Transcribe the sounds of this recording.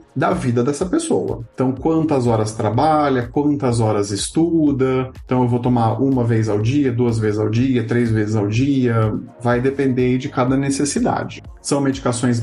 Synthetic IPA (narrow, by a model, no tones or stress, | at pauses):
d̪ɐvid̪ɐd̪ɛsɐpesowɐ̰ẽt̪ɐ̃w̃kwɐ̃nt̪ɐzɔɾɐst̪ɾabaʎɐkwɐ̃nt̪ɐzɔɾɐzɪst̪ud̪ɐẽt̪ɐ̃w̃ewvowt̪omaʔũmɐvezawd͡ʒiɐd̪uɐzvezɪzawd͡ʒiɐt̪ɾezvezɪzawd͡ʒiɐvajd̪epẽnd̪ed͡ʒɪkad̪ɐnesesid̪a̰d͡ʒɪ | sɐ̃w̃med͡ʒikasõj̃s̬